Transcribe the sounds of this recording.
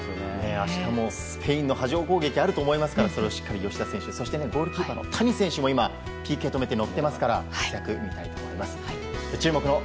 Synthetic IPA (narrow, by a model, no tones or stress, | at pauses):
toneneaɕi̥t̪amo̞sɨ̥pʰe̞ĩnːo̞ɦaʑio̞ːko̞ːɡe̞kʲiaɾɯ̟t̪o̞ːmo̞imasɨ̥kaɾaso̞ɾe̞oɕi̥kːaɾʲijo̞ɕi̥t̪asẽɕɯso̞ɕi̥t̪ee̞ɡo̞ːɾɯ̟kʲiːpano̞̰t̪ʰaɲ̟isẽ̞ɰ̃ɕɨmo̞ima | pʲiːkiot̪o̞me̞t̪e̞no̞t̪ːe̞masɨ̥kaɾahaiɾakɯ̟mʲit̪ait̪o̞mo̞̰imasɨ̥a | d̪et͡ɕɨːmo̞kɯ̟no̞